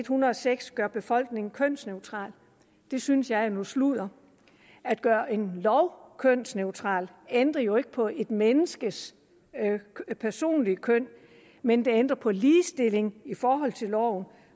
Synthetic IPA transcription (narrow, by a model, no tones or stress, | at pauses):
d̥hunɐɒ̽seɡ̥sɡ̥ɶɐb̥e̝fɒ̽l̰ɡ̥ne̝ŋn̩kʰøn̰sneʊt͡sʰʁɑ̰̈ːl | d̥e̝synsjɑ̈ɪænusluð̰ˠɐ | æd̥̚ɡ̥ɶːɐʔe̝nlɒʊkʰøn̰sneʊt͡sʰʁɑ̰̈ːl | end̥ʁɐjo̝e̝ɡ̥əpʰɒ̽e̝d̥menəsɡ̥əs | pʰæɐso̝̰ːnlikʰøn̰ | mend̥e̝end̥ʁɐpʰɒ̽liːsd̥e̝l̰e̝ŋifɒːɦɒ̽l̰t͡sʰe̝lɒʊn̩